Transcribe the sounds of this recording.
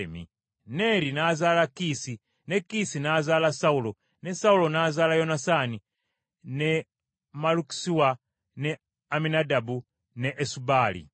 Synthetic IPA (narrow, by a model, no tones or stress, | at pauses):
emḭ | ne̞ɾinaːzaːlakisi | ne̞kːisinazaːlasaulo̞ | ne̞saulo̞naːzaːlajo̞nasani | ne̞ | maluki̥siwa | ne | aminadabu | neʔːsubaːlḭ